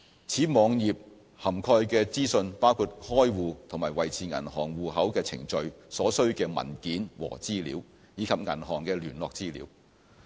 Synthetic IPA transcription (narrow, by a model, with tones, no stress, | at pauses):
t͡sʰiː˨˥mɔː˨˧ŋjiː˨p̚ | hɐ˨˩mkʰɔː˧jkɛː˧t͡siː˥sɵ˧npaː˥wkʰuː˧t̚hɔː˥jwuː˨t̪ʰʊ˨˩ŋmaː˨˩jwɐ˨jt͡sʰiː˨˧ŋɐ̰˨˩nhɔː˨˩ŋwuː˨ɦɐ˨˥wkɛː˧t͡sʰɪ̰˨˩ŋt͡ʃɵ˧ɥsɔː˨˥sɵ˥ɥkɛː˧mɐ̰˨˩nkiː˨˥nwɔ̰ː˨˩t͡siː˥lḭː˨˥w | jiː˨˧kʰɐ˨p̚ŋɐ˨˩nɦɔː˨˩ŋkɛː˧lyː˨˩nlɔː˨k̚t͡siː˥lḭː˨˧˥w